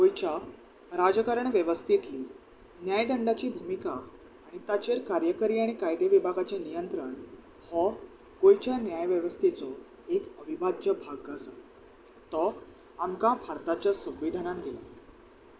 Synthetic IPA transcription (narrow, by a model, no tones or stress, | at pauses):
ɡojt͡ɕa | ɾad͡zkəɾəɳʋjəʋəst̪ʰit̪liː | njajd̪əɳɖat͡ɕiːbʱumikaː | ɽ̃it̪at͡ɕeɾkaɾjəkəɾiːaɽ̃ikajd̪jeəʋibʱaɡat͡ɕanijənt̪ɾəɳ | hɔ | ɡ̥ojt͡ɕjanjajʋjəʋəst̪ʰet͡sɔ | ekəʋibad̪jəbʱaɡːasa | t̪ɔ | amkãpʰaɾt̪at͡ɕjasə̃ʋʋid̪ʱanãnd̪ila̰